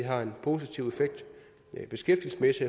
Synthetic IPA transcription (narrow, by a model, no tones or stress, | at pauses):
iɦɑ̈e̝npʰo̝ːsit͡sʰiʊ̰e̝feɡ̥̚d̥ | b̥e̝sɡ̥efd̥il̩sə̥mesi